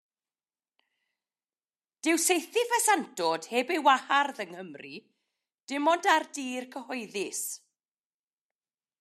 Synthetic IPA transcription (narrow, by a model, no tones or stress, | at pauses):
d̥ɪwsejθɪvəsantɔd̥heːbewaharðəŋhəmri | d̥ɪmɔndardiːrkʰəhɔɨðɪs